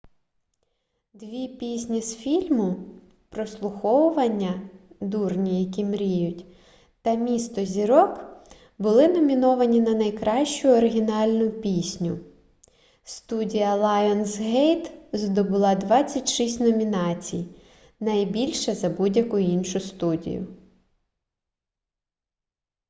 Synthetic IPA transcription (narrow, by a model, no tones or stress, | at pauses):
d̪ʋʲipʲisʲnʲisfʲilʲmʊ | pɾɔslˠʊxɔwʊʋɐnʲːɐd̪urnʲijɐkʲimɾʲijʊtʲ | t̪ɐmʲist̪ɔzʲiɾɔk | bʊlˠɪnɔmʲinɔʋɐnʲinɐnɐjkɾɑʃt͡ʃʊɔɾɪɦʲinɑlʲnʊpʲisʲnʲʊ | st̪udʲijɐlˠɑjɔnsɦɛjt̪zd̪ɔbʊlˠɑd̪ʋɑt͡sʲːɐtʲʃisʲtʲnɔmʲinɑt͡sʲḭj | nɐjbʲilʲʃɛzɐbudʲjɐkʊjinʃʊst̪udʲḭjʊ̰